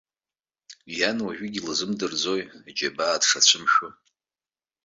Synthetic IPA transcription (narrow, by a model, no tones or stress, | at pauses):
janwaʒʷᶣɪɡʲilɨzɨmdɨrd͡zo̞jad͡ʒabaːd̥ʂat͡ɕʷʰɨmʃʊ